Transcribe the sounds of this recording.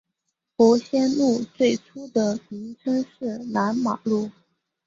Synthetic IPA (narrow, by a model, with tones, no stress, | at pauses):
xɔ˧˥ɕjɛ˥nlu˥˧t͡swe˥˩ɪʈ͡ʂʰu˥d̪ə˨mi˧˥ŋʈ͡ʂʰə˥ŋʂɻ̩˥˩na˧˥nma˨˩lu˥˩